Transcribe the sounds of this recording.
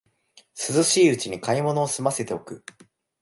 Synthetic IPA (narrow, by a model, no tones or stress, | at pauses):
sɨzɨɕiːɯ̟t͡ɕiɲ̟ikaimo̞no̞ːsɨmase̞t̪e̞o̞kɯ̟